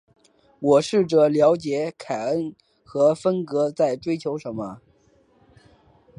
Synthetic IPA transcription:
wɔ˨˩ʂɻ̩˥˩ʈ͡ʂɤ˥˩ljɑ˧˥ʊt͡ɕjɛ˧˥kʰa˨˩ə˥n | xɤ˧˥fə˥nkɤ˧˥t͡sa˥˩ɪʈ͡ʂwe˥ɪt͡ɕʰjo˧˥ʊʂə˧˥nmə˧

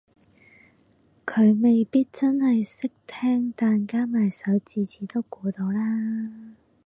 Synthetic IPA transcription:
kʰɵ˨˧ɥme˨jpiː˥t̚t͡sɐ˥nhɐ˨jsɪ˥k̚t̪ʰɛː˥ŋt̪aː˨nkaː˥maː˨˩jsɐ˨˧˥wt͡siː˨t͡sʰiː˨˥t̪o˥wkuː˨˧t̪o˨˧wlaː˥

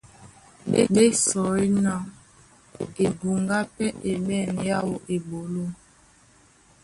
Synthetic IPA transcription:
ɓḛ˦ɓe˦sɔ˨i˦na˨ | e˨bu˨ŋɡa˦pɛ˦ʔe˨ɓɛ˦˨nja˦wo˦ʔe˨bo˨lo˦˨

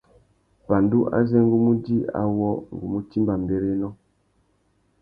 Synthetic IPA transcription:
ba˨ndu˦ʔa̰˦zɛ˦ŋ˦ɡu˦mu˦di˦a̰˦wɔ˦ŋ˨ɡu˨mu˦ti˦mba˨mbe˨ɾe˦nɔ˦

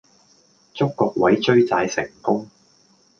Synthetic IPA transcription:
t͡ʃʊ˥kːɔː˧k̚wɐ˨˥jt͡ʃɵ˥ɥt͡saː˧jsɪ̰˨˩ŋkʊ˥ŋ

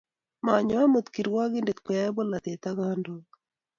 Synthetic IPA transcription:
ma˨ɲɔ˦a˦mo˨t̪ki˨ɾwa˦ɡɪ˦nde˨kpɛ˨ja˦ɛ˦bɔ˦la˨t̪e˨t̪a˦ɡa˦ndo

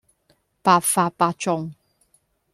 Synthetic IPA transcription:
pa˨fa˧pa˧t͡ʃɔ˨ŋ

